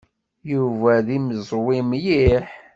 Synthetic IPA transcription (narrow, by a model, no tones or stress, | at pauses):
juvæðiməzˤwimjiħ